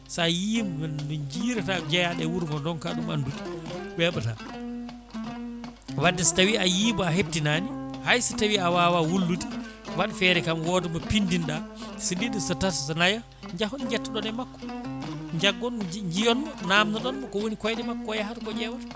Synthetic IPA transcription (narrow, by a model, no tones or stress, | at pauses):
sajimdd͡ʒiːɾɛtad͡ʒɛjaɗɛwuɾɡɔndɔnkaɗuma̰nduti̥ɓɛɓata̰ | wadːɛsi̥tawiajiːbɔaɦeb̚tinaːnihajsitawiawawawulːutiwaɗfɛɾɛkamwɔdɔmɔpindinɗasinidɔsatatsnaja | ɲd͡ʒahɔnd͡ʒɛtːaɗɔnɛmakːɔ̥ɲd͡ʒaɡːɔnɲd͡ʒijɔnmɔnamnaɗɔnmɔkɔwonikɔjdɛmakːɔjahatkɔd͡ʒɛwat